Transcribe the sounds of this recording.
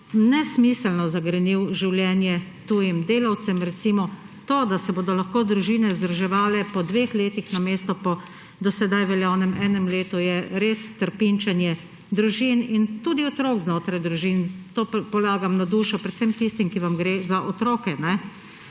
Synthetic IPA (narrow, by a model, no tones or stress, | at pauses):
nɛsmisəlnɔzaɡɾɛniwʒiwljɛːnjɛt̪uːjimd̪eːlaw̪sɛmɾɛt̪siːmɔ | t̪oːd̪asɛboːd̪ɔlaxkoːd̪ɾuʒiːnɛzd̪ɾuʒɛʋaːlɛpɔd̪ʋeːxleːt̪ixnameːst̪ɔpɔ | d̪ɔsɛd̪ajʋɛljaːnɛmɛːnɛmleːt̪ujɛɾeːst̪əɾpint͡ʃɛnjɛ | d̪ɾuʒinint̪uːd̪iɔt̪ɾokznoːt̪ɾajd̪ɾuʒiːnt̪oːpɔlaːɡamnad̪uːʃɔpɾɛt̪sɛmt̪ist̪imkiʋamɡɾeːzaʔɔt̪ɾoːkɛnɛ